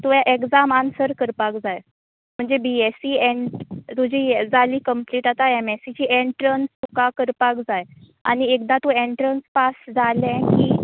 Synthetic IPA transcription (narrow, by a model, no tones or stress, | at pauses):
t̪ujaʔekd͡zamansəɾkəɾpakd͡zaj | m̤əɳd͡zebiesiɛɳʈt̪ud͡ʑʱiːd͡zaliːkəmpliːʈat̪aemɛsit͡ɕiːʔeɳʈɾənst̪ukakəɾpakd͡zaj | a̰ñiek̚d̪at̪ũeɳʈɾənspasd͡zalɛ̃kiː